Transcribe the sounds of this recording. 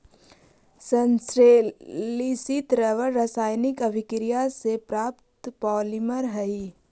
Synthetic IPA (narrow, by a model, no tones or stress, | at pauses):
sə̃nsɾeːlisit̪ɾəʋəɾɾəsaːjnɪkəbʱɪkɾijasepɾaːpt̪pɔːlɪməɾɦɐi